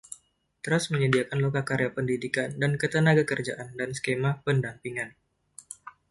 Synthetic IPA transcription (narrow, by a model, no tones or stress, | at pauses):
t̪ɾasməɲədiakanlokakaɾejapəndidikandankət̪ənaɡakərd͡ʒaʔandansə̥kemapəndampiŋan